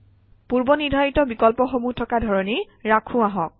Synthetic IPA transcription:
puɹbɔniɹdʱajitɔbikɔlpɔxomutʰɔkadʱɔɹɔni | ɹakʰũaɦɔk̚

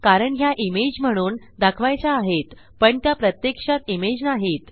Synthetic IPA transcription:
kaɾəɳɦjaʔimed͡ʑm̤əɽ̃uːn | d̪akʰʋajt͡ɕaːɦet̪ | pəɳt̪japɾət̪jekʂat̪imed͡znaɦit̪

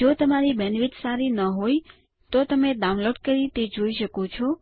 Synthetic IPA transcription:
d͡ʒot̪əmaɾibɛnʋit̪saɾinəɦoj | t̪ot̪əmed̪aunloʈ̚kəɾit̪ed͡ʒoiʃəkot͡ʃʰɔ

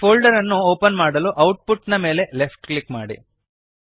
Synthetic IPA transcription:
pʰoːlɖɐɾɐnːuoːpɐnmaːɽɐluʔɐwʈ̚puʈːinɐme̞ːle̞le̞pʰʈklikmaːɽḭ

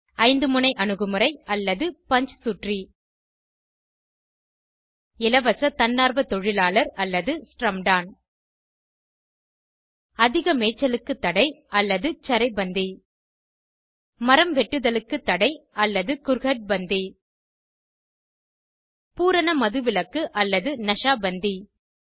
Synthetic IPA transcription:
ɐɪnd̪ɯmʊnɐɪʔɐnɯɣɯmɯɾɐɪɐlːɐðɯpɐɲd͡ʒsʊʈri | ɪlɐʋɐsɐt̪ɐnːaːɾʋɐt̪ɔɻɪlaːlɐɾɐlːɐðɯsʈrɐmɖaːn | ɐðɪɣɐmeːt͡ʃːɐlɯkːɯt̪ːɐɽɐɪɐlːɐðɯt͡ʃɐɾɐɪbɐnd̪i | mɐɾɐmʋɛʈːɯðɐlɯkːɯt̪ːɐɽɐɪɐlːɐðɯkʊɾɣɐʈ̚bɐnd̪i | puːɾɐnɐmɐðɯʋɪlɐkːɯʔɐlːɐðɯnɐʂaːbɐnd̪i

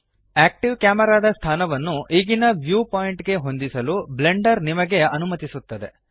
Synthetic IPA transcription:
æːk̚ʈiʋkjaːmɐɾaːd̪ɐst̪ʰaːnɐʋɐnːuʔiːɡinɐʋjuːpaːjiɳʈɡe̞ɦo̞nd̪isɐluble̞ɳɖɐɾnimɐɡe̞ɐnumɐt̪isut̪ːɐd̪e̞̰

